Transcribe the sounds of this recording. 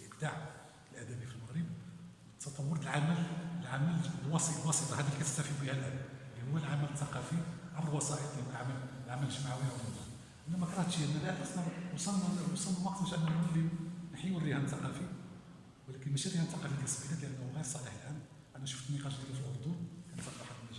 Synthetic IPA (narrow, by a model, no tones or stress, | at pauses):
ʔəbd̪aʕ | əlʔæd̪æbifilməɣɾəbwət̪ʰːɑt̪ˤɑwːʊɾˤt̪əlʕamællʕamællwɑslwɑsət̪ˤɑhæd̪ilkæt̪əħt̪æfibihælʔæd̪ælihʊwːælʕamælət̪ːɑqɑfiʕabɾlwɑsˤɑʔət̪ˤlit̪ʕaməllʕamælʒəmaʕwihæmənæ | ʔənːæmækɾˤɑht̪ʃiʔənːælæʔælæsnæwsˤɑnsˤɑlnːmɑqt̪ɾʃʔənːænʕməlːinħiwərːihænt̪ːɑqɑfi | wəlækənmæʃiɾihænt̪ːɑqɑfid̪æsbilæt̪ləʔænːhuɣiɾsˤɑliħlʔæm | ʔænæʃu̥ft̪nmiqɑʃd̪ijæfilʔʊɾˤd̪unkænt̪ːɑt̪ːɑħɑbənːæʒæ